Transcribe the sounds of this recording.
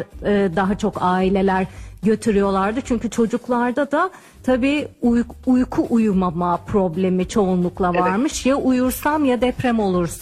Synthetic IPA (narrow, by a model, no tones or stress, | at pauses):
ɯːd̪aɦat͡ʃʰo̞kaːilʲe̞lʲæɾɟø̞t̪ʰyɾyjo̞lˠaɾd̪ɯt͡ʃʰyɲcyt͡ʃʰo̞d͡ʒuklˠaɾd̪ad̪a | t̪ʰabiːujujkʰuʔujumamapʰɾo̞blʲe̞mit͡ʃʰo̞unlˠuklˠavaɾmɯʃjaʔujuɾsamjad̪ɛpɾɛæmo̞lˠuɾsa